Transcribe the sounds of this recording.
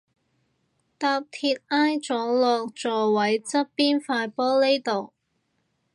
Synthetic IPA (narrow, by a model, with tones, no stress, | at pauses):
t̪aː˧p̚t̪ʰiː˧t̚aː˥jt͡sɔː˨˥lɔː˨˧k̚t͡sɔː˨wɐ˨˥jt͡sɐ˥t̚piː˥nfaː˧jpɔː˥le˥jt̪o˨˩w